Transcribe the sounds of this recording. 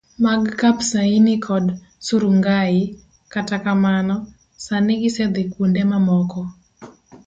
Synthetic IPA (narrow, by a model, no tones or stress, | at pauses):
maɡkapsainikʰɔd | suɾuŋɡaɪ | katakamanɔ | sanɪɡɪsɛd̪ɪkundɛmamɔkɔ